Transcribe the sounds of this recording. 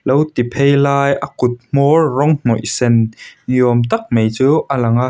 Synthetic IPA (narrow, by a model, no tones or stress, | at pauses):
lowt̪ipʰejlaːjʔɐkʊt̪̚m̥ɔrːɔŋm̥ɔʔsɛnjɔəmt̪ɐk̚mejt͡suːʔəlɐŋa